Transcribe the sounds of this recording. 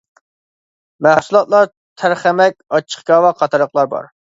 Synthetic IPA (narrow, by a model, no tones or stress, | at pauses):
mæhsulˠɑt̪lˠɑɾ | t̪ʰæɾχæmɛkʲɑt͡ʃʰːə̥χɡɑːwɑqʰɑt̪ʰɑɾəqlˠɑɾbɑ̰ɾ